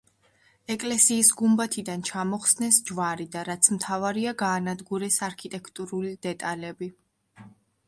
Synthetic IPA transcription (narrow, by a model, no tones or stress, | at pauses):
ɛkʼlɛsiːsɡumbat̪ʰid̪ant͡ʃʰamɔχsnɛsd͡ʒvaɾid̪aɾat̪sʰmt̪ʰavaɾiaɡaːnad̪ɡuɾɛsaɾkʰit̪ʼɛkʰt̪ʼuɾulid̪ɛt̪ʼalɛbi